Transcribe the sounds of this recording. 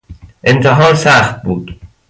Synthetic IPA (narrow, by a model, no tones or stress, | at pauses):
ʔe̞nt̪ʰeɦɒːɾsæxt̪̚buːd̪̥